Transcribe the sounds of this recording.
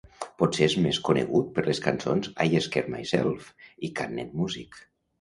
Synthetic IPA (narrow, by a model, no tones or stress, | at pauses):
pɔtseezmeskunḛɣut̪̚pəɾleskansonzajeskeɾmajsɛ̰lˠfikanːɛt̪̚muzik